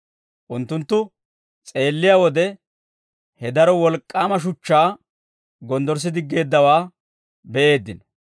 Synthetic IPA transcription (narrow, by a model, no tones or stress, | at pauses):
ʔʊnt̪ːʊnt̪ːʊ | t͡sʼe̞ːlːɪjaːwɔd̪ɛ | hɛd̪ɐɾɔwɔlkʼːaːmɐʃ̬ʊt͡ʃːaː | ɡɔnd̪ɔɾs̬ɪd̪ɪɡːe̞ːd̪ːɐwaː | bɛʔe̞ːd̪ːɪnɔ